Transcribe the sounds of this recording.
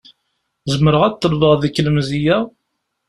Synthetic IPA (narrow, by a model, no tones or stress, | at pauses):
zəməɾəʁæt̪ːəlvəʁðəkːləmzijæ